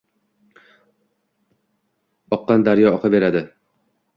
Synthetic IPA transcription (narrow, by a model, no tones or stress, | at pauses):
ɒqːɑnd̪aɾjɒɒqʰɨbe̞ɾad̪ɪ